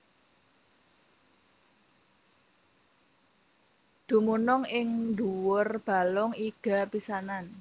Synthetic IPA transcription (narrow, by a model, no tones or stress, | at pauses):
d̪̥ṳmunʊŋɪŋd̪uwʊrb̥a̤lʊŋiɡ̥a̤pisanan